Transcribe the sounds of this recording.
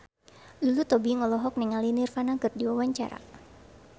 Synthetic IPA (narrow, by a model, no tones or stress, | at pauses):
lilut̪ɔbiŋɔlɔɦɔk̚nɛŋalinirfanakɨrdiwawaɲt͡ʃa̰ɾa̰